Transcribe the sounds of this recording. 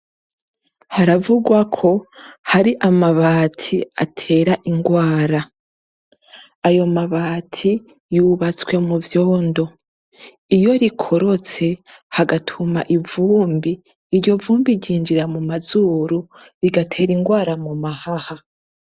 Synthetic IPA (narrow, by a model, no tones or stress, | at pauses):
haɾavuɡwakʰo̞haɾiʔamaβaːtʰia̰tʰe̞ːɾaʔiŋɡwaːɾa | ajo̞maβaːtʰi | juβat͡swe̞muvjo̞ːndo̞ | ijo̞ɾikʰo̞ɾo̞t͡se̞haɡatʰumaʔivuːmbiː | ɾɟo̞vuːmbiɾɟiːnd͡ʒiɾamumazuːɾu | ɾiɡatʰe̞ːɾiŋɡwaːɾamumahaha